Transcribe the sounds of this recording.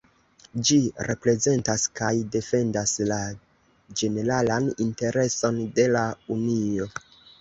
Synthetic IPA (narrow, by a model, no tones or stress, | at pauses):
d͡ʒiɾe̞pɾe̞ze̞ntaskajde̞fe̞ndasla | d͡ʒe̞ne̞ɾalaninte̞ɾe̞so̞nde̞launio̞